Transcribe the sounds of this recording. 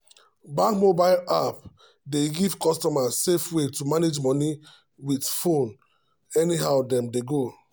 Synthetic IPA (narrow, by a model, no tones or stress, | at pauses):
bãkmobaɪlap | deɡivkɔstɔmasefwetumaned͡ʒmɔni | witfõn | ɛniɦaʊdɛ̃mdeɡo